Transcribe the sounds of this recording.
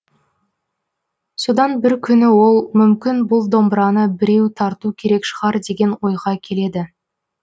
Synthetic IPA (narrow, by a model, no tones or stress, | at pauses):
so̞d̪ɑnbɪɾkʲʰʏnɪwo̞lˠmʏmkʲɪnbʊlˠd̪o̞mbɾɑnəbɪɾe̞wt̪ʰɑɾt̪ukʲʰe̞ɾe̞kʃəʁɑɾd̪e̞ɡʲe̞nwo̞jʁɑkʲʰe̞le̞d̪ɪ